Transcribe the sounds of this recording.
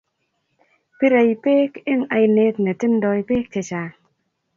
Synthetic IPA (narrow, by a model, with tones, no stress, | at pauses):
pi˦ɾa˨i˨pe˦ke˦ŋa˨˧jne˧˦tne˨ti˦n˦dɔ˧i˨˧peː˦k̚t͡ʃe˨t͡ʃaː˨